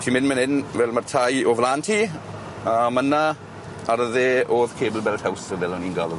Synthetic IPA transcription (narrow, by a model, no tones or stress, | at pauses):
tʰiːmɪnmənɪnvɛlmartʰajovlaːntʰiː | aməna | aɾəðeːʔoːðkʰeːbəlˠbɛltʰhawsəvɛlɔniːnɡalˠɔð